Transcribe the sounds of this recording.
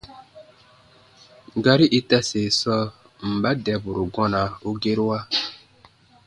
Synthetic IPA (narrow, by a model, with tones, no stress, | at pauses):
ɡa˦ɾi˦ʔi˦ta˦se˨sɔ˦ | m̩˨ba˦dɛ˨bu˨ɾu˨ɡɔ̃˦na˨u˦ɡe˦ɾwa˦